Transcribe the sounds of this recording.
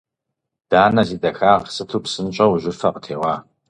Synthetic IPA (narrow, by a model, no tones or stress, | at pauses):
d̥aːnɐziːdɐxaːʁsɨtʰuːpsɨnt͡ʃʼɐwʒɪfɐqətʰeːʁʷɑː